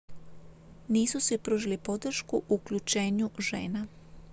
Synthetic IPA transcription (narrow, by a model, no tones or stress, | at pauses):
niːsusʋipɾuːʒilipo̞d̪r̩ʃkuʔuklʎut͡ʃe̞ːɲuʒḛːna